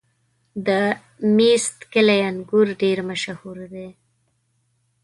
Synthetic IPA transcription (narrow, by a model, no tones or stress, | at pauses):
d̪ə | mist̪kɪlajanɡuɾɖeɾmaʃahuɾd̪e